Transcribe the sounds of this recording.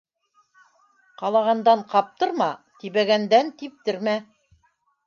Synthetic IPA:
qɑlˠɑʁɑnd̪ɑɴqɑp̚t̪ɤ̆ɾmɑt̪iβæɡænd̪ænt̪ip̚t̪ɘ̆ɾmæ

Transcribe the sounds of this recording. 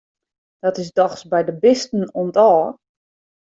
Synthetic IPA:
d̥ɔtɪsdɔxsbɛjdəbɪstn̩ontɔː

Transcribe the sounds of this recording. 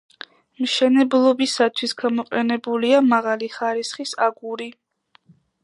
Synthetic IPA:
mʃɛnɛblˠɔbisat̪ʰwisɡamɔqʼɛ̰nɛbuliamaʁaliχaɾisχisaɡuɾi

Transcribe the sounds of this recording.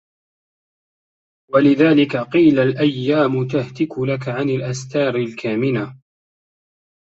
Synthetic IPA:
walɪðaːlɪkaqiːlalʔajːaːmʊt̪ahd̪ɪkʊlakaʕanɪlʔast̪ɑːɾˤɪlkʰaːmɪna

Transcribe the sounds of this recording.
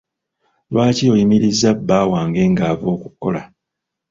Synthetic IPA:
lwaːcio̞jimiɾizːabːaːwaːŋɡe̞ːŋɡaːvo̞ːkukːo̞̰la

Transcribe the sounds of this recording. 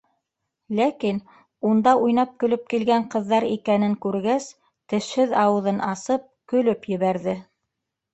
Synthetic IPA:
lækin | und̪ɑʔujnɑp̚kɵ̆lɵp̚kilɡæɴqɤ̆ðːɑɾikænɘŋkʉɾɡæs | t̪ɘ̆ʃhɘðɑwɤ̆ðɤnɑsɤp̚kɵ̆lɵpjɘ̆βæɾðɘ

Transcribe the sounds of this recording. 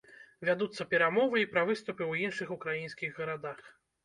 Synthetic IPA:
vʲad̪ut̪sːɐpʲɛɾamɔvɨipɾɐvɨst̪upɨwjinʂɨxukɾajinskʲiɣɣɐɾad̪ax

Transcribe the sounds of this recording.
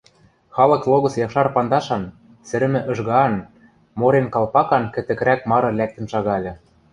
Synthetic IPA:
xɑlɤ̆klˠoɣɤ̆sjɑkʃɑrpɑnd̪ɑʃɑn | sɘ̆ɾɘ̆mɘ̆ʔɤ̆ʒɣɑn | moɾenkɑlpɑkɑnkɘ̆t̪ɘ̆k̆ɾækmɑɾɤ̆lʲæk̚t̪ɘ̆nʃɑɣɑlʲɤ̆

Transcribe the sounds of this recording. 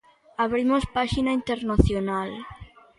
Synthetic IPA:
aβɾimospaʃinaint̪eɾnaθjonal

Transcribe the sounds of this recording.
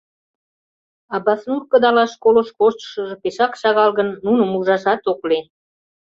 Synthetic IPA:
ɑbɑsnurkə̆d̪ɑlɑʃkoloʃkoʃt̪ʃə̆ʒɤ̆peʃɑkʃɑɣɑlɣə̆nːunəmuʒɑʃɑt̪oklen

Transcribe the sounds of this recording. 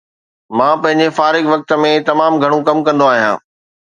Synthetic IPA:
mãːpɐ̃ɦɪ̃ɲd͡ʑefaːɾɪɡʋɐk̚t̪mẽt̪ɐmaːmɡʱɐɽ̃ũkɐmkɐ̃nd̪oaːɦijãː

